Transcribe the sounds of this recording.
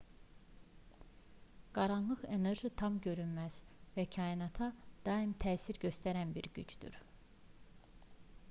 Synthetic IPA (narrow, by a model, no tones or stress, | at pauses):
ɡ̥ɑɾɑnlˠɯχe̞ne̞ɾʒit̪ʰɑmɟø̞ɾynmæz̥væcʰɑinɑt̪ʰɑd̪̥ɑimt̪ʰæːsiɾɟø̞st̪æɾænbiɾɟyt͡ʃd̪̥y̰ɾ